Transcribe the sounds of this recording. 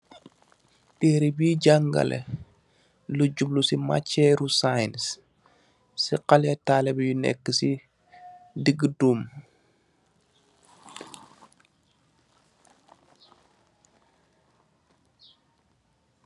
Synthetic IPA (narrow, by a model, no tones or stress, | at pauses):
tɛːɾibiːɟaŋɡa̰lʔɛ̰ | luɟublusima̰cːɛɾusajns | siqalɛtaːlɛbjunɛ̰kːəsi | diɡəduːm